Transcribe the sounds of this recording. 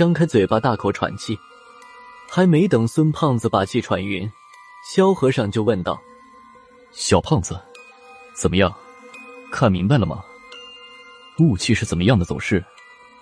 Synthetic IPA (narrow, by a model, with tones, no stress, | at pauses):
jɑ˥ŋkʰa˥ɪt͡swe˨˩ɪpa˨˩t̪a˥˩kʰo˨˩ʊʈ͡ʂʰwa̰˨˩nt͡ɕʰi˥˩ | xa˧˥ɪme˧˥ɪt̪ɤ˨˩ŋswə˥npʰɑ˥˩ŋd͡zɹ̩˩pa˨˩t͡ɕʰi˥˩ʈ͡ʂʰwa˨˩nɥy˧˥n | ɕjɑ˥ʊxɤ˧˥ʂɑ˥˧ŋt͡ɕjo˥˧ʊwə˥˧nt̪ɑ˥˩ʊ | ɕjɑ˨˩ʊpʰɑ˥˩ŋd͡z̩˩ | t͡sə˨˩nmə˦jɑ˥˩ŋ | kʰa˥˩nmi˧˥ŋpa˧ɪlə˩mɐ̰˩ | u˥˧t͡ɕʰi˥˧ʂɻ̩˥˩t͡sə˨˩mə˦jɑ˥˩ŋd̪ə˩t͡so˨˩ʊʂɻ̩˥˩